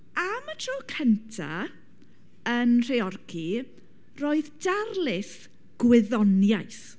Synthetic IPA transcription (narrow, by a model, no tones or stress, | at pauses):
amətʰrɔːkʰəntʰa̰ | ənr̥eɔrkʰi | roːɨðdarlɪs | ɡ̥wɪðɔnjajs